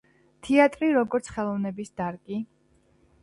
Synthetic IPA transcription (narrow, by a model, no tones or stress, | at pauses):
t̪ʰiat̪ʼɾiɾɔɡɔɾt̪sʰχɛlˠɔvnɛbisd̪aɾkʼi